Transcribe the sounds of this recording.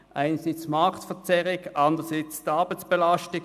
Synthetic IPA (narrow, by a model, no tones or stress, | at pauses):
ʔa̰ɪnɐsit͡smɑʁktfɛt͡sɛʁɪɡʔɑnd̪əʁəsit͡sd̥ɑɐbaɪt͡sb̥elastɪ